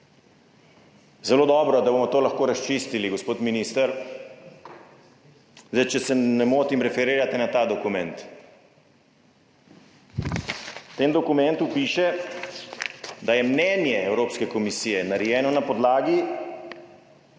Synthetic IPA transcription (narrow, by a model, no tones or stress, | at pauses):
zɛloːd̪ɔbɾɔd̪abomɔt̪oːlaxkoːɾast͡ʃist̪iliɡospoːt̪miniːst̪əɾ | zajt͡ʃɛsɛnɛmoːt̪imɾɛfɛɾiːɾat̪inat̪aːd̪ɔkumɛ̃nt̪ | t̪eːnd̪ɔkumɛ̃nt̪upiːʃɛ | d̪ajɛmnɛːnjɛɛwɾoːpskɛkɔmisiːjɛnaɾjɛːnɔnapɔd̪laːɡi